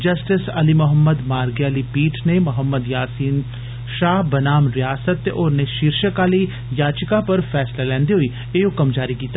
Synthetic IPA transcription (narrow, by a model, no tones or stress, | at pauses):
d͡ʒəsʈɪsəlimʊɦəmːəd̪maːɾɡjaliːpiːʈʰnemʊɦəmːəd̪jaːsiːn | ʃaːɦbənaːmɾɪjaːsət̪ːeʔoːɾneʃɪɾʃəkaliː | jaːt͡ʃkapəɾfʰɛːslalɛ̃ːnd̪iɦoiː | eːokəmd͡ʒaːɾikiːt̪ːa